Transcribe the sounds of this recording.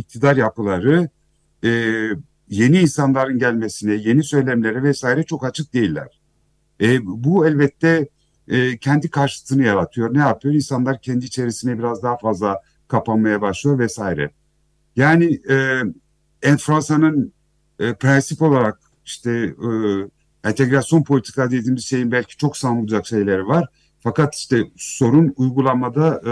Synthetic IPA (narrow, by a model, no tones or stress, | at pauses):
ic̚t̪ʰid̪aɾjapɯlˠaɾɯ | ɛː | je̞niːnsanlˠaɾɯnɟælʲme̞sinɛje̞nisø̞jlʲæmlʲe̞ɾɛvɛsaːiɾɛt͡ʃʰo̞kat͡ʃʰɯk̚d̪e̞jilʲːæ̰ɾ̥ | ɛbuɛlʲbɛt̪ʰːɛː | cʰɛnd̪ikʰaɾʃɯt̪ʰɯnɯjaɾat̪ʰɯjo̞ɾnɛjapʰɯjo̞ɾinsanlˠaɾcʰɛnd̪iːt͡ʃʰe̞ɾisinɛbiɾazd̪aɦafazlˠa | kʰapanmajabaʃlˠɯjo̞ɾvɛsaːjiɾɛ̰ | jaːnɪɛː | ɛnfɾansanɯnː | pɾɛnsipo̞lˠaɾak̚ | iʃt̪ʰɛ | ɛnt̪ʰe̞ɡɾasjo̞npʰo̞lʲit̪ʰikad̪ejed̪iːmizʃejimbælʲcʰi̥t͡ʃʰo̞ksaːmulˠud͡ʒakʃe̞jlʲeɾivaɾ̥ | fakat̪i̥ʃt̪ʰɛso̞ɾunujɡulˠanmad̪a